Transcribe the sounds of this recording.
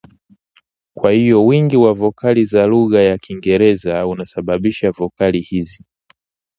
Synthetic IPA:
kwahijɔwiŋɡiwavɔkalizaluɣajakʰiŋɡɛɾɛzaunasaɓaɓiʃavɔkalihizi

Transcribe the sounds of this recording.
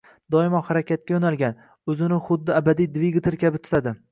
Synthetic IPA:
d̪ɒɪmɒhaɾakʲʰat̪̚kʲajonalɡʲan | ɵzɪnɪχʊd̪ːɪabad̪ijd̪viɡt̪ʰɪɾkʲʰabɪt̪ʰʊ̥t̪ʰad̪ɪ

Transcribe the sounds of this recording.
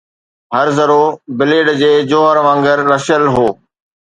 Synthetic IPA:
ɦəɾzəɾoːbɪleːɖd͡ʑeːd͡ʑoːɦəɾʋə̃ŋɡəɾːəʃəlɦoː

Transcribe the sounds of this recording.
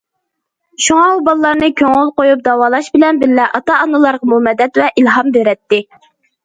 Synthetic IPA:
ʃuŋɑubɑlˠlˠɑɾnɨkʲʰøŋʊlˠqojup̚d̪ɑwɑːlˠɑʃbɪlɛnbɪlːɛʔɑt̪ɑɑnɨlˠɑɾʁɑmumɛd̪ɛt̪vɛʔilɦɑmbeɾɛt̪ːɪ

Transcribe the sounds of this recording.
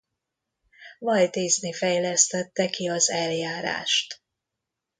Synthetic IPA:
vɒjt̪iːznifɛjlɛst̪ɛt̪ːɛkiɒzɛljaːɾa̰ːʃt̪

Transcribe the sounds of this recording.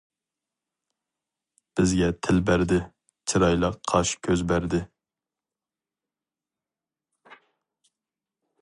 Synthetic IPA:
b̥ɪzɡʲɛt̪ʰɪlbæɾd̪ɪ | t͡ʃʰiɾɑjlˠɑqqʰɑʃkʲʰøzbæɾd̪ɪ

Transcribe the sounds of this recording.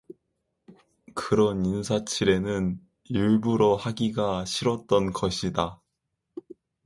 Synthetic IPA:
kɯɾʌninsʰat͡ɕʰiɾe̞nɯn | iɭbuɾohaɡiɡaɕʰiɾʌt̚t͈ʌnɡʌɕʰida

